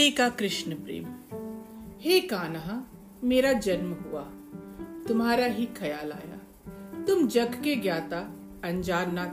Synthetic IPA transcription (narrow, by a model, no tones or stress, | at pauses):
eːkakɾɪʃnəpɾḛːm | heːkaːnəɦa | meːɾad͡ʒɐnmɦʊaː | t̪ʊmɦaːɾaɦikʰɐjaːla̰ːja̰ | t̪ʊmd͡ʒɐɡʱkeɡjaːt̪a | ɐ̃ɲd͡ʒaːnːa